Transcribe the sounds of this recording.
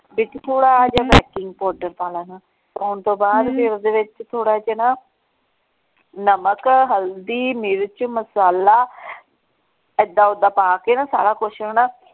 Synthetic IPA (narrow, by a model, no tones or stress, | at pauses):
bɪt͡ʃt̪ʰoːɽaːd͡ʒaːbɛːkɪŋɡ̚pɔːɾɖəɾpaːlaːnaː | soːnt̪õːbaːd̪pɪɾod̪eːʋɪt͡ʃt̪ʰoːɽaːd͡ʒenaː | nəməkɦəld̪iːmɪɾt͡ʃməsaːlaː | əd̪aːʊd̪aːpaːkeːnaːsa̰ːɽaːkʊʃənaː